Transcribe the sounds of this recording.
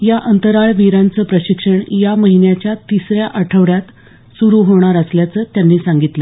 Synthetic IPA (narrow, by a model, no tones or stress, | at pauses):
jaʔənt̪əɾaɭʋiɾant͡səːpɾəɕikʂəɳjaməɦinjat͡ɕjat̪isɾjaʔəʈʰəʋɽjat̪ | suɾuːɦoɽ̃aɾəsljat͡səːt̪janːiːsaŋɡit̪lə